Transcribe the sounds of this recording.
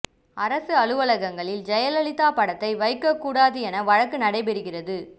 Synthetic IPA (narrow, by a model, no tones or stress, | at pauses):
ʔɐɾɐsɯɐɻɯʋɐɭɐɣɐŋɡɐɭɪld͡ʒɛjɐlɐɭɪt̪ːaːpɐɽɐt̪ːɐɪʋɐɪkːɐkːuːɽaːðɯɛnɐʋɐɻɐkːɯnɐɽɐɪp̬ɛɾɯɣɪrɐðɯ